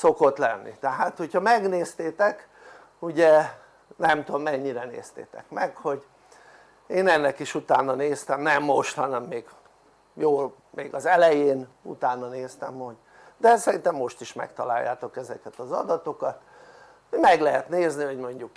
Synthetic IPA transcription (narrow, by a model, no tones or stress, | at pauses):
so̞kot̪lɛnːḭt̪ɛɦaːt̪ho̞chɒmɛɡneːst̪eːt̪ɛk | uɟɛ | nɛmt̪omːɛɲːiɾɛnḛːst̪ḛːt̪ɛ̰kmɛkho̞ɟ | eːnɛnːɛkiʃut̪aːnːɒneːst̪ɛmnɛmːoʃt̪hɒnɛmːeːɡ | joːl | meːɡɒzɛlɛjeːn | ṵt̪aːnːɒneːst̪ɛmho̞ɟ | d̪ɛsɛɾint̪ɛmːo̞ʃt̪iʃmɛ̰kt̪ɒla̰ːjːa̰ːt̪o̞kɛzɛkɛt̪ɒzɒ̰d̪ɒt̪o̞kɒt̪ | mɛɡlɛɦɛt̪neːzniɦo̞ɟmo̞ɲɟuk